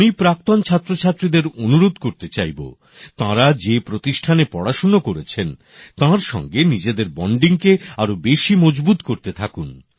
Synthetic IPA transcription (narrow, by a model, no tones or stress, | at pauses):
ipɾak̚t̪ont͡ɕʰat̪ːɾot͡ɕʰat̪ːɾid̪eɾonuɾod̪koɾt̪et͡ɕajbo̰ | t̪ãɾad͡ʑepɾot̪iʃʈʰanepɔɽaʃonokoɾet͡ɕʰen | t̪ãɾʃɔ̰ŋɡenid͡ʑed̪eɾbɔɳɖiŋkeaɾobeʃimɔd͡ʑbut̪koɾt̪et̪ʰakun